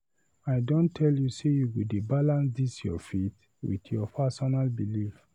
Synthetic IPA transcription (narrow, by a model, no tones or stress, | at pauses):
aɪdɔ̃ntʰɛljusejuɡodebalãnsdisjɔ̰fet | wḭtjɔpʰasɔnalbilif